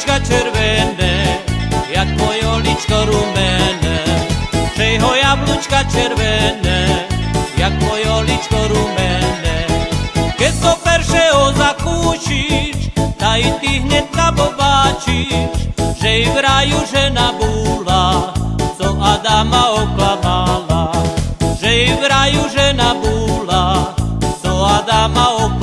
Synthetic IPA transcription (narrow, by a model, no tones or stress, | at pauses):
kat͡ʃɛɾʋɛnɛ | jak̚t̪mɔjɔlit͡ʃkɔɾumɛnɛ | ʒ̥ɛjɦɔjablut͡ʃkat͡ʃɛɾʋɛnɛ | jak̚t̪mɔjɔlit͡ʃkɔɾumɛnɛ | kɛsɔpɛɾʃɛɦɔzakuːʃiʃt̪ait̪iɦɲɛt̪̚kapɔbaːt͡ʃiʃʒɛiʋɾajuʒɛnabuːla | sɔʔad̪amaɔklamala | ʒɛiʋɾajuʒɛnabuːla | sɔad̪amaɔk